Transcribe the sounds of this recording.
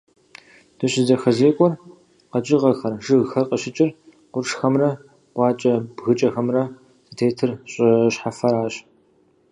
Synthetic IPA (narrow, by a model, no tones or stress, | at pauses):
d̥ɨɕɪzɐxɐzeːkʷʼɔr | qɐt͡ʃʼɪʁɐxɐrʒɨɣxɐrqəɕɪt͡ʃʼɪr | qʷʊrʂxɐmrɐ | qʷɑːt͡ʃʼɐbɣɨt͡ʃʼɐxɐmrɐ | sɨtʰeːtʰɨrɕʼɐɕħafɐɾaːɕ